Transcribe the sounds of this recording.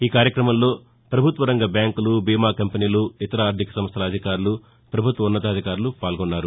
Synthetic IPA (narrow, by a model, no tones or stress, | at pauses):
iːkaːɾjɐkɾɐmɐmlo̞ː | pɾɐbʱut̪ʋɐɾɐŋɡɐbjaːŋkulubiːmaːkɐmpeniːluit̪ɐɾaːɾd̪ʱikɐ̥sɐmɐst̪ʰɐlɐd̪ʱikaːɾulu | pɾɐbʱut̪ʋɐunːɐt̪ɐːd̪ʱikaːɾulupaːlɡɔnːaːɾu